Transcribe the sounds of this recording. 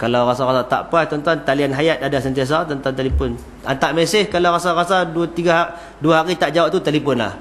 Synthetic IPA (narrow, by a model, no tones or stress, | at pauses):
kalawɾasaɾasat̪a̰ʔpajt̪ɔnt̪uant̪alianɦajat̪̚adasənt̪ias̬at̪ənt̪ant̪alipʊn | ant̪aʔmesɪhkalawɾasaɾasadt̪iɡa | duaɦaɾit̪aʔd͡ʒawaʔt̪ut̪alipʊnla̰h